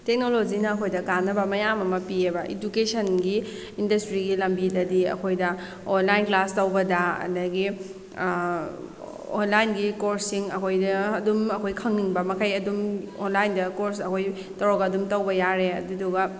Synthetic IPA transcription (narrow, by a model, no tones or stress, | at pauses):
tek̚nolod͡ʒinɐːkʰojdɐkanːɐbɐmɐjamɐmɐpiebɐʔid͡ʒukesʰɐnɡi | indɐstɾiɡilɐmbidɐdiɐ̰kʰojdɐ | onlajnklastɐwbɐdɐɐ̰dɐɡi | onlajnɡikoɾsiŋɐkʰojdɐːdumɐkʰojkʰɐŋniŋbɐmɐkʰajɐdumonlajndɐkoɾsɐkʰoj | tɐwɾoɡɐːdumtɐwbɐjaɾeɐ̰duduɡɐ